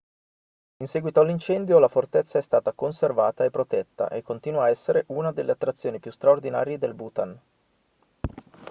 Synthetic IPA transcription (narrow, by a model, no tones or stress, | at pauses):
insɛːɡwit̪oalːint͡ʃɛnd̪jolafort̪ɛt̪sːaɛst̪aːt̪akonservaːt̪aepːɾot̪ɛt̪ːa̰ʔekːont̪iːnuaːɛsːeɾeʔunad̪elːeat̪ːɾat̪sːjoːnipjust̪ɾaord̪ina̰ːɾjed̪elbut̪an